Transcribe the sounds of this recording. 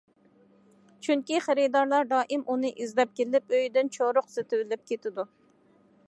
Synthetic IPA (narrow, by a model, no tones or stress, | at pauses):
t͡ʃʰyŋkʲiχeɾɪd̪ɑɾlˠɑɾd̪ɑːʔɪmʔunɨʔizlɛp̚kʲelɪpøjd̪ɪnt͡ʃʰoɾʊqsɪt̪ʰɪwɪlɪp̚kʲet̪ʰɪd̪u